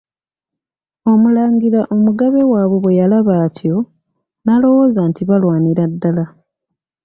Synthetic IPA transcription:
o̞mulaːŋɡiɾaʔomuɡaβe̞waːβwe̞βwe̞jalaβaːtʰjo̞ | nalo̞wo̞ːzantiβalwaːniɾadːala

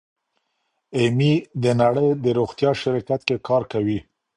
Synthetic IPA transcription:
emid̪ənaɽəjd̪əɾoɣt̪jɑʃɪɾɑkat̪̚kekɑɾkawi

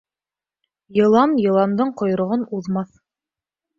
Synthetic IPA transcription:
jɤ̆lˠɑmjɤ̆lˠɑmd̪ɤɴqŏj̆ɾŏʁɤnuðmɑθ

